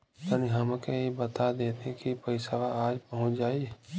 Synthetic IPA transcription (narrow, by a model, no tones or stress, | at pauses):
aniɦɐmkejebət̪ad̪eːt̪ẽkipəɪsaʋaaːd͡ʒpəɦʊ̃t͡ʃd͡ʒaːi